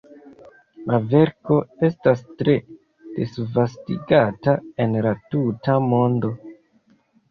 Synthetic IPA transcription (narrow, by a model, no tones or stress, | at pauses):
lʔave̞ɾko̞e̞stastɾe̞ | d̥esvastḭɡatae̞nlatutamo̞ndo̞